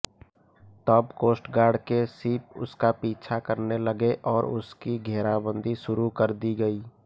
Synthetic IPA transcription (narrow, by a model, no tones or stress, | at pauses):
t̪ɔːbkoːsʈɡaːɾɖkesiːp̚ʊ̰skapiːt͡ʃʰakəɾneləɡeʔɔːɾʊ̰skiɡʱɛːɾabə̃nd̪ʱiʃʊɾukəɾd̪iɡəiː